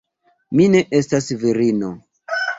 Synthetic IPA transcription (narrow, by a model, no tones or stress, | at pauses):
mine̞ʔe̞stasviɾino̞